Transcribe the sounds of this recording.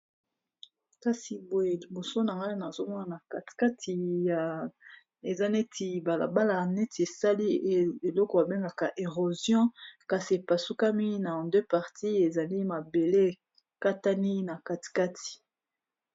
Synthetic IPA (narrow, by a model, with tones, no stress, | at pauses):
ka˦si˨bo˦e˨li˨bo˨so˦na˨ŋɡa˦na˨zo˦mɔ˦na˨na˨ka˨ti̥˨ka˦tʰi˨ja˨ | e˨za˦ne˦ti˨ba˨la̰˨ba˦la˨ne˦ti˨e˨sa˦li˦˨e˨lɔ˦kɔ˨a˨be˦ŋɡa˨ka˨ʔe˨ʁo˨zjɔ̃˦ka˨si˨e˨pa˨su˦ka˦mi˦nã˨dø˦pa˨ʁti˦e˨za˨li˦ma˨be˨le˦˨ | ka˦ta˦ni˦na˨ka˦ti̥˨ka˦ti̥˨